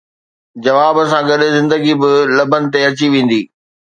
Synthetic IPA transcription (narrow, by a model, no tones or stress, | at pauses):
d͡ʑɐʋaːbsãɡɐɗɪzɪ̃nd̪əɡibɪlɐbʱənɪ̆t̪eɐt͡ɕiʋẽːn̆d̪iː